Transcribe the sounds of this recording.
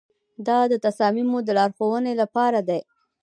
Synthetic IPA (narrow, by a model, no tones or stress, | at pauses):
d̪ɑd̪ət̪asɑmimod̪əlɑɾxowənelapɑɾad̪aj